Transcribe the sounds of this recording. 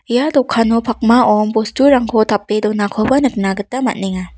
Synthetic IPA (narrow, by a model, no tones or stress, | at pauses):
jadɔkʰːanɔpʰak̚maʔɔmpɔstuɾaŋkʰɔtʰapːedɔnakʰɔbanɯk̚naɡɯtama̰t̚niŋa